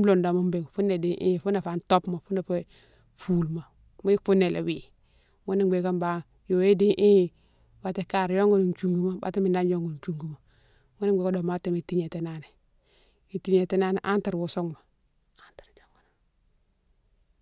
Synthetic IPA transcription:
m˦lo˨nda˨mu˦mbe˨ŋfu˦nːe˨di˦ʔḭ˦˨fu˦ne˨fa˨nto˦pma˨fu˦na˨fe˦ | fu˦˨lma˨ | m˦i˦fu˦nːe˨lʔḛ˨wi˨ | ŋu˦ni˨ɡ͡be˨ka˦mba˨ | jo˨e˦di˦ʔi˦˨ | ba˦te˦ka˦˨ɾjo˦ŋɡu˦ni˨nt͡ʃu˦˨ŋɡu˦ma˦ba̰˨˦ti˦mi˨nda˦n˦jo˦ŋɡu˨n˨t͡ʃu˦ŋɡu˨ma˨ | ŋu˦ni˦ɡ͡be˨ka˦do˨ma˦te˨me˨ti˦ɲe˨te˨na˦ne˨ | i˨ti˦ɲe˨te˦na˦ne˨ʔa˦nta˨ɾwo˨so˦ŋma˨ | a˦ntḁ˨ɾd͡ʒo˦ŋɡu˨na˨

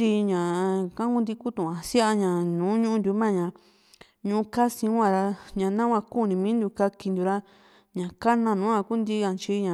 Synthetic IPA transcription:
i˧ɲã˨kã˦kũ˦d̪i˧ku˦t̪ũ˨ã˨si˦a˧ɲã˨nũː˨˦ɲũ˦ʔũ˦˧d̪u˧˦mã˦˨ɲã˨ | ɲũ˧u˧ka˦sĩ˧˦wʷã˦˧˨ɾa˧ɲã˨˧nã˦kʷã˧ku˦˨nĩ˧mĩː˦nd̪u˧ka˧ki˧nd̪u˨˧ɾa˦ | ɲã˨ka˦nã˧˨nũ˨˦ã˧ku˦nd̪i˦ã˧t͡ʃi˧˦ɲã˨

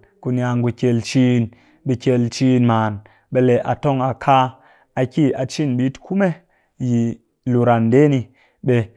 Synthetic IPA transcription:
ku˧nja˧ŋɡu˧kʲe˧lt͡ʃi˦n | ɓi˧kʲe˧lt͡ʃi˦nmaː˨n | ɓe˧le˨ʔa˨to˦ŋa˨kʰa˦ | a˧ki˦˨a˨t͡ʃi˦˨nɓi˦tkʰu˦me˦ | ji˨ | lu˨ɾa˨nde˦ni˧ | ɓe˧

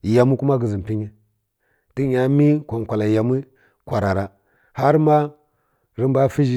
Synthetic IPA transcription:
ja˨mu˦ku˦ma˦ɡi˨zi˨m˨pi˦ɲi˦ | ti˦ja˨mi˦kʷa˨ŋ˨kʷa˨la˨ja˨mi˦ | kʷa˨ɾa˨ɾa˨ | ha˦ɾma˦ | ɾi˦mba˦fi˦d͡ʒi˦

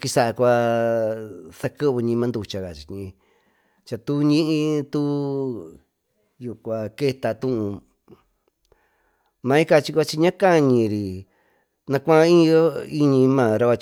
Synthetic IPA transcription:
ki˧sa˦˨ʔa˧kʷa˧ | sa˧kɨ˦βɲĩ˧mã˧nd̪u˧t͡ʃa˧ɣa˨t͡ʃi̥˨˧ɲĩ˧ | t͡ʃa˧t̪u˦ɲĩ˦ʔĩ˧t̪u˦ | ju˨kʷa˨ke˦t̪a˧t̪ũ˦ʔũ˧ | mã˧ĩ˦ka˧t͡ʃi˧kʷa˧t͡ʃi˧ɲã˦ka˦ɲĩ˧˨ɾi˨ | nã˧kʷã˦ĩ˦˧jo˦i˦ɲĩ˧mãː˦˨ɾa˧a˧t͡ʃ

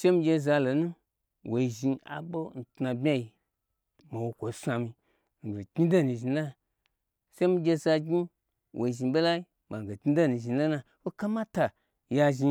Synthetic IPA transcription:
ʃe˦mi˧ɡʲe˧za˧lo˨nũ˦ | wʔo˨i˧ʒĩ˧a̰˨ɓo˦n̩˨ta˧bʲa˦ji˧ | ma˨wo˧kʷo˨˦sʷa˧mi˧ | ŋ̩˨ɡe˨ɡʲi˦do˦˨nĩ˧ʒi˧na˦ | ʃe˦mi˧ɡʲe˧za˧ɡi˦ | wʔo˨i˧ʒi˧ɓo˦la˦i˦ | ma˨ŋ˨ɡo˨ɡʲi˦do˦˨ni˨ʒi˨la˦na˧wo˦ka˦ma˦ta˨ | ja˧ʒi˧

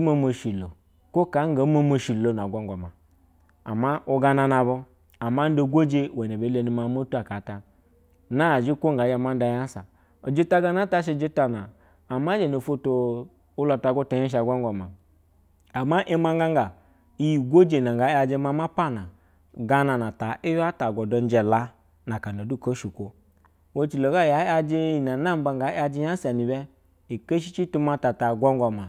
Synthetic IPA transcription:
ma˦mo˨ʃi˨lo̰˨ | ko˦ka˨˦ŋ˦ɡa˨˦mo˦mo˨ʃi˨lo˨n˨a˨ɡʷo˦ŋɡo˨ma̰˨ | a̰˨ma˦u˦ɡa˧na˧na˨bo˧ | a˨ma˦do˦ɡʷo˦d͡ʒe˦˨we˨n˨e˨be˨˦le˨ni˨ma˨˦mo˦tu˦a˨ka˨˦ta˨ | na˦˨d͡ʒi˦ko˦ŋ˨ɡa˨˦d͡ʒa˨ma˦n˦da˨ja˦n˦sa̰˨ | o˨d͡ʒi˦ta˦ɡa˦na˦ta˦ʃ̬i˨d͡ʒi˦ta˨naː˨ | ma˦d͡ʒe˨no˨fo˦to˨ | u˦la˨˧ta˨ɡu˦ta˨˦i˦ʃ̬a˨ɡʷo˦ŋɡo˨ma˨ | a˨ma˦ʔi˦ma˦ŋɡa˦ŋɡa˨ | i˦ji˨ɡʷo˦d͡ʒe˨na˨ŋɡa˨˦a˧d͡ʒe˦ma˦ma˦pa˦˨na˨ | ɡa˦na˨na˨ta˨ʔi˦ja˦ta˨ɡɔ˨dɔ˨n˦d͡ʒɛ˨la˦ | na˨ka˨no˨du˦˨ko˦ʃu˨kʷo˨ | wo˦t͡ʃi˨lo˨ɡa˦˨ja˨˦a˦d͡ʒi˦i˨na˨na˦m˦ba˧ŋ˨ɡa˨˦a˧d͡ʒi˦ja˦sa˨ni˨bɛ˦ | i˨ke˦ʃ̬i˦t͡ʃi˦tu˦ma˦ta˨ta˨ɡʷɔ˦ŋɡɔ˨ma˨

